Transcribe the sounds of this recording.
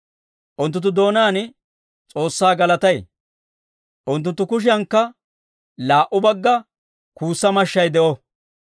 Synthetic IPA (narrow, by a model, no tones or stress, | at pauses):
ʔʊnt̪ːʊnt̪ːʊd̪o̞ːnaːn | t͡sʼo̞ːsːaːɡɐlɐt̪ɐj | ʔʊnt̪ːʊnt̪ːʊkʊʃ̬ɪɐŋkːɐ | laːʔʊbɐɡːɐ | kuːsːɐmɐʃːɐjd̪ɛʔɔ